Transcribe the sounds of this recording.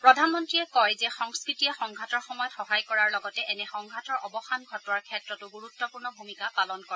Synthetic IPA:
pɹɔdʱanmɔntɹiɛkɔjzɛxɔŋskɹitiɛxɔŋɡʱatɔɹxɔmɔjɔtxɔɦajkɔɹaɹlɔɡɔtɛʔɛnɛxɔŋɡʱatɔɹʔɔbɔxanɡʱɔtɔwaɹkʰɛtɹɔtʊɡuɹutːɔpuɹnɔbʱumikapalɔnkɔɹ

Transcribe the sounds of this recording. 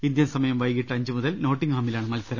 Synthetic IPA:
ind̪jɐnsɐmɐjɐmʋɐjkiʈːɨɐɲd͡ʑɨmuðɐlno̞ːʈːiŋhaːmilaːɳɨmɐlsɐɾɐ

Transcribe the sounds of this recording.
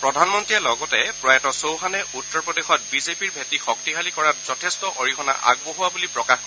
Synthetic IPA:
pɹɔdʱanmɔntɹialɔɡɔtɛpɹɔɛtɔsowxanɛutːɔɹpɔdexɔt̚bizepiɹbʱetixɔk̚tiɦalikɔɹat̚zɔtʰestɔʔoɹikʰɔna̰ʔa̰ɡ̚boɦuwabulipɹɔkaxk

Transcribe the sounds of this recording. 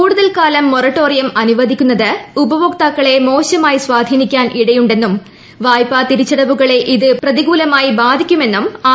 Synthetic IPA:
kuːɽuðɐlkaːlɐmːorɐʈːo̞ːrijɐmɐnuʋɐd̪ʱikʲːunːɐðɨubɐʋokt̪aːkːɐɭe̞mo̞ːɕɐmaːjiswaːd̪ʱiːnikʲːaːnʔiɽɐjuɳɖe̞nːum | ʋaːjpːaːt̪iɾit͡ɕːɐɽɐʋuɣɐɭe̞ʔiðɨprɐðiɣuːlɐmaːjibaːd̪ʱikʲːume̞nːumaː

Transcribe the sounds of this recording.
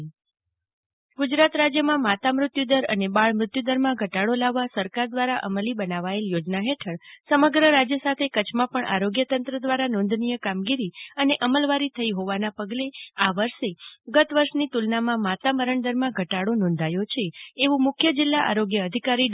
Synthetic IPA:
ɡud͡ʒɾat̪ɾad͡ʒjəmãmat̪amɾʊt̪jud̪əɾə̰nebaɭmɾʊt̪jud̪əɾmãɡʱəʈaɽolaʋːasəɾkaɾd̪ʋaɾaʔəməlibənaʋaeljod͡ʒnaɦeʈʰəɭsəməɡɾəɾad͡ʒjəsat̪ʰekət͡ʃʰmãpəɳʔa̰ɾoɡjət̪ənt̪ɾəd̪ʋaɾanɔ̃nd̪ʱnijəkamɡiɾiəneʔəməlʋaɾit̪ʰəiɦoʋanapəɡleaʋəɾʃeɡət̪ʋəɾʃnit̪ulnamãmat̪aməɾəɳd̪əɾmãɡʱəʈaɽonɔ̃n̆d̪ʱajot͡ʃʰeːʋũmʊkʰjəd͡ʒɪlːaʔa̰ɾoɡjəːd̪ʱikaɾi

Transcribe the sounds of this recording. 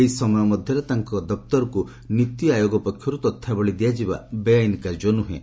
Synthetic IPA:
eɦisɔmɔjɔmɔd̪ʱjɔɾet̪aŋkɔd̪ɔp̚t̪ɔɾɔku | nit̪iajoɡɔpɔkʰːjɔɾut̪ɔt̪ʰːabɔɭid̪ijad͡ʒiba̰beajnikad͡ʒɔnuɦḛ̃

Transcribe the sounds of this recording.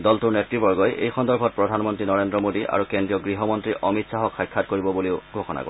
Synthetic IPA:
dɔltuɹnetɹibɔɹɡɔjʔḛjxɔndɔɹpʰɔt̚pɹɔdʱanmɔntɹinɔɹendɹɔmodiʔa̰ɹukendɹijɔɡɹiɦɔmɔntɹiʔʔɔmitsaɦɔkxajkʰːatkoɹibɔboleʊɡʱoxɔna̰ko̰

